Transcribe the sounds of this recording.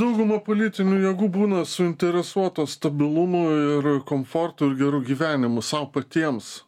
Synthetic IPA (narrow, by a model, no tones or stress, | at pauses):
d̪ɐʊɡʊmɐpoːlʲɪt̪ʲɪnʲuːjɛɡuːbuːnɐsʊɪnʲt̪ʲɛɾʲɛsuɔt̪oːst̪ɐbʲɪlˠʊmoɪɾkomfort̪ʊɪɾɡʲɛɾuːɡʲiːʋʲæːnʲɪmʊsɐʊpɐt̪ʲiɛms